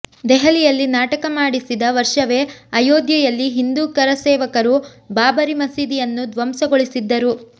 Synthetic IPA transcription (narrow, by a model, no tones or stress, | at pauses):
d̪ɛɦɐlijɐlːinaːʈɐkɐmaːɽisid̪ɐʋɐɾʂɐʋe̞ɐjoːd̪jɐjɐlːiɦind̪uːkɐɾɐsɛːʋɐkɐɾu | baːbɐɾimɐsiːd̪ijɐnːud̪ʋɐmsɐɡoɭisid̪ːɐɾu